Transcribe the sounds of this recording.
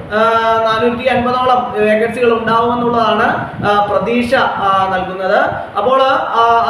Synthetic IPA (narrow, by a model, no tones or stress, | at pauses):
naːnut̪ːiɐnbɐðaːɭɐmeɣɐsiɣɐɭuɳɖaːʋume̞nːuɭːɐðaːɳɨ | prɐd̪iːɕɐnɐlkunːɐðɨ | ɐpːo̞ːɭ